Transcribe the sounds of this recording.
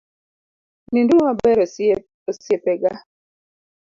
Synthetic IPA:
nindumabɛɾɔ | osjepɛɡa

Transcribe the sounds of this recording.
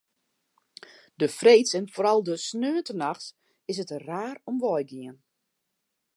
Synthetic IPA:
dəfrejtsɛnfoːɾɑlˠdəsnøːəntənaxs | ɪs̬ətraːrɔmʋɔjɡiən

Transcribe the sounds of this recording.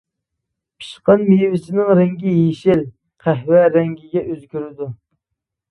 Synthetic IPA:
pʰi̥ʃqɑnmejwɪsɪnɪŋɾɛŋɡʲijeʃɪl | qʰæɦwɛɾɛŋɡʲiɡʲɛʔøzɡʲyɾɪd̪u

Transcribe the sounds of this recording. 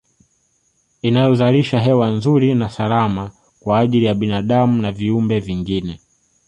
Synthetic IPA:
inajɔzaliʃaɦɛwanzuɾinasalama | kwaːʄilijaɓinaːɗamunaviumbɛviŋɡinɛ

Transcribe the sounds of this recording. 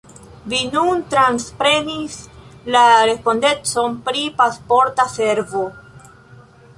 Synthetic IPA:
vinuntɾanspɾe̞nislaɾe̞spo̞nde̞t͡so̞npɾipaspo̞ɾtase̞ɾvo̞

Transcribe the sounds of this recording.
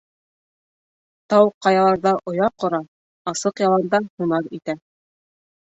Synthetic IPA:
t̪ɑwqɑjɑlˠɑɾðɑʔŏjɑqŏɾɑ | ɑsɤqjɑlˠɑnd̪ɑhunɑɾit̪æ

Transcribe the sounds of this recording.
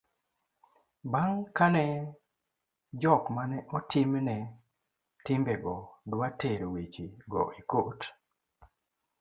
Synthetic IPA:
baŋkanɛ | d͡ʒɔkmanɛʔɔtɪmnɛ | tɪmbɛɡɔdwateɾwet͡ʃiɡɔ̰ʔikot

